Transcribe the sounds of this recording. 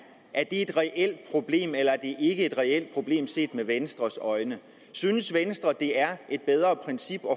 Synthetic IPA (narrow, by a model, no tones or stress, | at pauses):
ʔæɐd̥e̝e̝d̥ʁɛʔel̰d̥̚pʰʁo̝b̥le̝̰ːmelɐæɐd̥e̝ʔe̝ɡ̥əe̝d̥ʁɛel̰d̥̚pʰʁo̝b̥le̝̰ːmse̝̰ːd̥meʋensd̥ʁɐsɒ̽ɪnə | syːnəsʋensd̥ʁɐd̥e̝æɐʔe̝d̥̚b̥eð̞ˠʁɐpʰʁɛnsib̥ɒ̽